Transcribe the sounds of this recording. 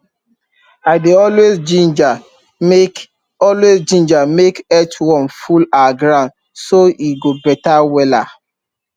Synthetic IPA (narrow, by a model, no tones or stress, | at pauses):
aɪdeɔlwezd͡ʒĩnd͡ʒa | ɔlwezd͡ʒĩnd͡ʒamekɛtwɔ̃nfulaɡɹãnd | soiɡobɛtawɛla